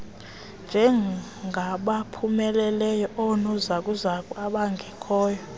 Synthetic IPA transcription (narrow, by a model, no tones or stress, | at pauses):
nd͡ʒʱɛ | ŋɡʱaɓapʰumɛlɛlɛjɔʔɔnɔzakʼuzakʼwaɓaŋɡʱɛkʰɔːjɔ